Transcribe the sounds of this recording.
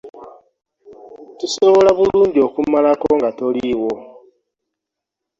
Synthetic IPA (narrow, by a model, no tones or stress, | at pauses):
tuso̞βo̞laβuluːɲɟio̞kumalakoŋɡato̞liwo̞